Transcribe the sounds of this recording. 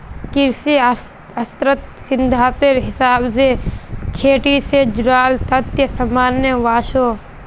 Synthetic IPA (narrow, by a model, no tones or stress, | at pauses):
kɪɾsi | ɐst̪ɾət̪̚sɪnd̪ʱaːt̪eɾɦɪsaːbsekʰeːʈised͡ʒʊɾaːlt̪ɐt̪jɐsɐmaːnjəʋaːʃoː